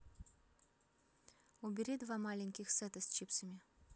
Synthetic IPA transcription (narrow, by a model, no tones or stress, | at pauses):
ubʲɪɾʲid̪vamalʲɪnʲkʲɪxsɛt̪ɐsʲt͡ɕipsəmʲɪ